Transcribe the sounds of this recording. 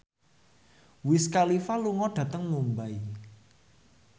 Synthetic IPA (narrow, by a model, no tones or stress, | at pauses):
wɪskalifaluŋɔɖ̥ä̤t̪əŋmumbai